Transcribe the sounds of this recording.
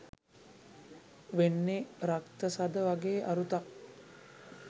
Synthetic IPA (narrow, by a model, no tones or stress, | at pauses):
ʋenːeɾakt̪əsad̪əʋaɡeːʔaɾut̪ak̚